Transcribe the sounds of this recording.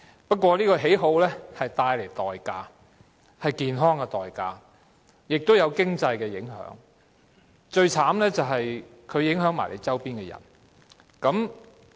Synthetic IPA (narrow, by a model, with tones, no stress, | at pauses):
pɐ˥t̚kʷwʷɔː˧liː˥kɔː˧ɦe˨˥jɦo˨˥wlɛː˥hɐ˨jt̪aː˧jle˨˩jt̪ɔː˨jkaː˧ | hɐ˨jkiː˨nɦɔː˥ŋkɛ˧t̪ɔː˨jkaː˧ | jɪ˨k̚t̪o˥wjɐ˨˧wkɪ˥ŋt͡sɐ˧jkɛː˧jɪ˨˥ŋɦœ̰ː˨˥ŋ | t͡ʃɵ˧ɥt͡sʰaː˨˥mlɛː˥t͡sɐ˨wɦɐ˨j | kʰɵ˨˧ɥjɪ˨˥ŋɦœː˨˥ŋma̰ː˨˩lḛ˨˧jt͡sɐ˥wpiː˥nkɛː˧jɐ̰˨˩n | kɐ˨˥m